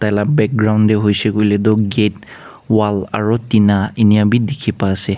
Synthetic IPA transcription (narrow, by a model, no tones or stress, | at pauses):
tajlabɛk̚ɡɹawndɛɦojsɛkujlɛdɔɡet | wala̰ɹɔtinainijabidikʰipaːsɛ